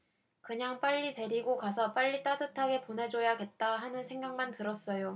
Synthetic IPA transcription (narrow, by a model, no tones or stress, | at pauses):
kɯɲaŋp͈aʎːite̞ɾiɡokasʰʌp͈aʎːit͈adɯtʰaɡe̞ponɦe̞d͡ʑojaɡe̞t̚t͈aɦanɯnsʰe̞ŋɡaŋmantɯɾʌs͈ʌjo